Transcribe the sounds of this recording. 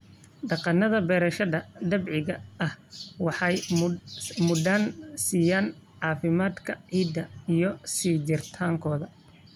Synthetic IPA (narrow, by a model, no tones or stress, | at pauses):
ɖɑqɑnɐðɐbɛːɾɐʃɐðɐd̪ɐbʕɪɣɐɐhwɑħɑj | mʊd̪ansijaːnʕɑːfɪmaːd̪kʰɐʕiːd̪ɐijɞsiːd͡ʒɪrt̪ʰaːŋkʰɔːðɐ